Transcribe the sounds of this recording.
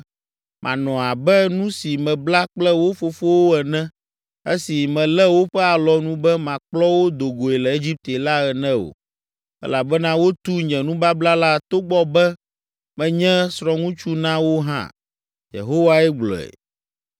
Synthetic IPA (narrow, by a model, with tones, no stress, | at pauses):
mʔã̰˨nɔ̃˨a˨bɛ˦nũ˦si˨mɛ̃˨bla˦k͡plɛ˦wo˦fo˨fo˦wo˦ɛ˨nɛ̃˦ | e˦si˨mɛ̃˨lɛ˦wo˦ɸɛ˦a˨lɔ˨nũ˦bɛ˦mã˨k͡plɔ˦wo˦d̪o˨ɡo˨ɛ˨lɛ˨e˦d͡ʑi˦p̚t̪e˨la˦ɛ˨nɛ̃˦o̰˨ | ɛ̰˦la˨bɛ˦nã˦wo˦t̪u˦ɲɛ̃˨nũ˦ba˦bla˦la˦t̪o˦ɡ͡bɔ˦bɛ˦ | mɛ̃˨ɲɛ̃˦sɾɔ̃˦ŋũ˦t͡ʃu˦nã˦wo˦ɦã̰˦ | jḛ˨ɦo˦wa˦ɛ˦ɡ͡blɔ̰˨ɛ̰˨